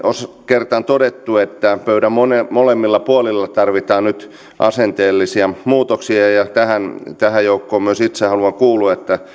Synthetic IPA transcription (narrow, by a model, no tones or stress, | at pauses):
ʔos | kert̪ɑnt̪odet̪ːuet̪ːæpøyɾæmmonemolemːilːɑpuolilːɑt̪ɑrʋit̪ɑːnnyt̪ | ʔɑ̰sent̪eːlːisiɑmuːt̪oksiɑjɑt̪æhænt̪æhæjjoukːoːmmyøsit̪sehɑluɑŋkuːluet̪ːæ